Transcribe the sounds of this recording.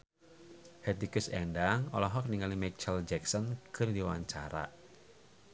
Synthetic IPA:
hɛt̪ikusɛndaŋɔ̰lɔɦɔk̚niŋalimɛt͡ʃəld͡ʒɛksɔnkɨrdiwa̰ɲt͡ʃa̰ɾa̰

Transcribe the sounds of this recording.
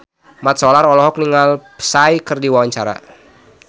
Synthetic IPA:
mat̪̚sɔlarɔlɔɦɔk̚niŋalpə̥sajkərdiwawaɲt͡ʃaɾa̰

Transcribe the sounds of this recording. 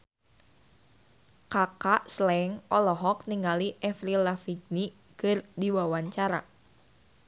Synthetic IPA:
kakaʔslɛŋʔɔlɔɦɔk̚niŋaliʔɛfɾilafiɡni | kərdiwawaɲt͡ʃaɾa̰

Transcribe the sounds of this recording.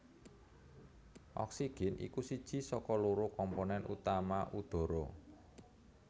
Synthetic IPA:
ʔɔ̰ksiɡ̥ɛ̤nḭkusid̥ʒ̥i̤sɔkɔluɾukɔmponɛnṵt̪amaʔud̪̥ɔ̤ɾo

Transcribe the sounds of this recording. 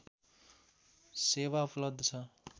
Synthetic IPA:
sewaupʰlʌbd̪ʱʌt͡sʰʌ

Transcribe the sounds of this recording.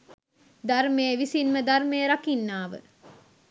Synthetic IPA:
d̪aɾmejəʋisinməd̪armejəɾakinːaːʋə̰

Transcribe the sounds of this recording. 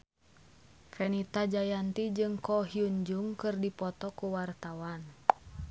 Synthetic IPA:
fɛnit̪ad͡ʒajant̪id͡ʒɨŋkɔɦiuɲd͡ʒuŋkɨrdipɔt̪ɔkuwart̪awan

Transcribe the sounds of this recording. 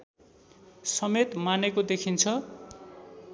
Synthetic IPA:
sʌmet̪manekod̪ekʰint͡sʰʌ

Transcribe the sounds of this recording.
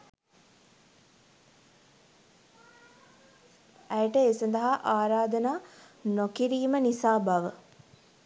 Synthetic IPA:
æjʈəeːsɐnd̪ɐɦaʔaːɾaːd̪ənaːnokiɾiːmənisaːbaʋə

